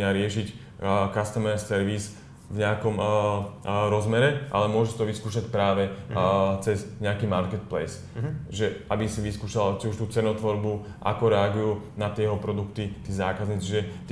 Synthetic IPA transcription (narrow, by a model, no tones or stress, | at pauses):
aɾɪɛʃic | kast̪ɛmɛɾsːɛɾʋiz | vɲɛakɔm | ɾɔzmɛɾɛʔa̰lɛmʊɔʒɛsit̪ɔʋiskuːʃacpɾaːʋɛ | t͡sɛzɲɛakiːmaɾkɛt̪̚plɛ̰s | ʒɛabisiʋiskuːʃalt͡ʃiuʃt̪uːt͡sɛnɔt̪ʋɔɾbu | ʔa̰kɔɾɛaɡujuːnat̪ɪɛjɛɦɔpɾɔd̪ukt̪it̪iːzaːkazɲit͡sit͡ʃiʒɛt̪